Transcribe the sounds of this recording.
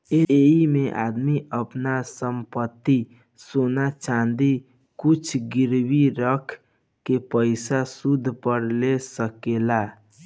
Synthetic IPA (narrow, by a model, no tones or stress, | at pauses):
eeimeʔa̰d̪miəpnasəmpət̪ːi | sonat͡ʃand̪i | kut͡ʃʰɡiɾbiɾəkʰ | kepəɪsasud̪ʱpəɾlesəkela